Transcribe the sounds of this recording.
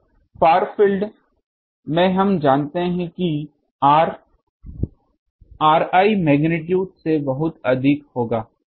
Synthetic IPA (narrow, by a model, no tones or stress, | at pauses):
paːɾfɪlɖ | mɛ̃ːɦɐmd͡ʒaːnt̪eɦɛ̃ki | ɾ | aːɾaːimɛːɡnɪʈ̬juːɖsebɐɦʊt̪ɐd̪ʱɪkhoːɡaː